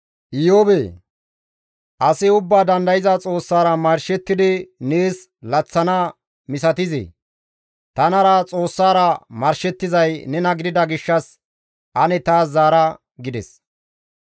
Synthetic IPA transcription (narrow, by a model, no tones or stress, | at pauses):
ʔɪjoːbeː | ʔɐsɪʊbːaːd̪ɐnd̪ɐjɪzɐt͡sʼo̞ːsːaːɾɐmɐɾʃɛt̪ːɪd̪ɪne̞ːs | lɐt͡sːɐnɐ | mɪsɐt̪ɪzɛ̰ | t̪ɐnɐɾɐt͡sʼo̞ːsːaːɾɐmɐɾʃɛt̪ːɪzɐjnɛnɐɡɪd̪ɪd̪ɐɡɪʃːɐs | ʔɐnɛt̪aːszaːɾɐ | ɡɪd̪ɛ̰s